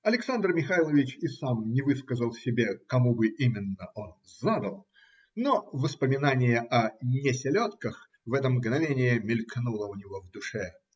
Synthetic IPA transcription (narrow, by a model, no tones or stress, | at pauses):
ɐlʲɪksand̪rmʲɪxajlˠəvʲɪt͡ɕɪsamnʲɪvɨskəzəlˠsʲɪbʲekɐmubɨʔimʲɪnːəʔo̞nzad̪əlˠ | novəspəmʲɪnanʲɪjəʔɐnʲɪsʲɪlʲot̪kəx | vɛt̪əmɡnɐvʲenʲɪjəmʲɪlʲknulˠəʊnʲɪvo̞vd̪ʊʂɛ